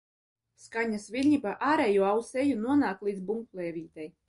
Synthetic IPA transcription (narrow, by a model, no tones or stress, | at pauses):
skaɲasvʲilʲɲipaʔaːɾejuɔawsejunuɔnaːklˠiːd̪zbuŋklˠeːvʲiːt̪ɛj